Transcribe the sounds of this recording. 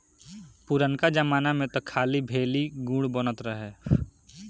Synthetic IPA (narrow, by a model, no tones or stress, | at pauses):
pʊɾənkad͡ʒəmaːnamẽt̪okʰaːlibʱeːliɡũːɽbonət̪ɾəɦɛː